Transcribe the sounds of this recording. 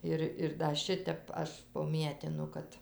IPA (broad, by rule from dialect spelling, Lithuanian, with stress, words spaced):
ˈɪr ɪr dɐ ˈʃʲɪtʲɛp ˈɐʃ poːˈmʲiɛtʲɪnʊ ˈkɐt